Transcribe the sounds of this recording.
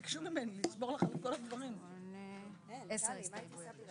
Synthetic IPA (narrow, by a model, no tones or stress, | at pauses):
kʃumimenulisbo̞ʁlaχalko̞lad̪vaʁim | ese